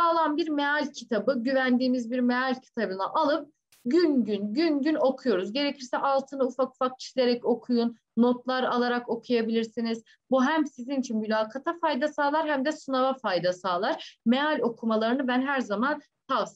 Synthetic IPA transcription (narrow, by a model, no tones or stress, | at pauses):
aːlˠanbiɾmealʲcʰit̪ʰabɯɟyvænd̪iːmizbiɾmealʲcʰi̥t̪ʰabɯnaʔalˠɯp̚ | ɟynɟynɟynɟyno̞kʰujo̞ɾuzɟe̞ɾecʰiɾsɛʔalˠt̪ʰɯnaufaku̥fak̚ʰi̥ʃlʲe̞ɾɛco̞kʰujunːo̞t̪lˠaɾalˠaɾako̞kʰujabilʲiɾsiniz̥ | buɦæmsizinit͡ʃʰinmylʲaːkʰat̪ʰafajd̪asaːlˠaɾhæmd̪ɛsunavafajd̪asaːlˠaɾ̥mealʲo̞kʰumalˠaɾɯnɯbænɦæɾzaman | t̪ʰavs